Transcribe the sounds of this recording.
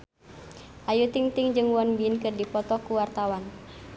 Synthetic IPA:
ʔajut̪iŋt̪iŋd͡ʒɨŋwɔnbiɪnkɨrdipɔt̪ɔkuwart̪awan

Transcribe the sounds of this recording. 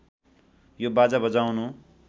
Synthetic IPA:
jobad͡zabʌd͡zawnu

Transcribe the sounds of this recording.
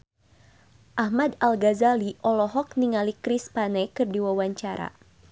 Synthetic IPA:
ʔahmadalɡazaliʔɔlɔɦɔk̚niŋalikɾispanɛkɨrdiwawaɲt͡ʃaɾa̰

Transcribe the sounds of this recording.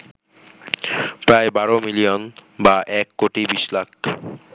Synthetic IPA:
pɾaebaɾomilijonbaʔɛkːoʈibiʃlak̚ʰ

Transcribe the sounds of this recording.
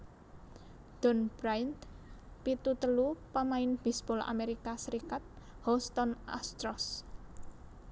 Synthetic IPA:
d̪̥ɔnb̥ɾajnt̪pit̪ut̪əlupamaɪnb̥isbɔla̰meɾikasəɾikat̪̚ | hɔst̪ɔna̰st̪ɾɔs

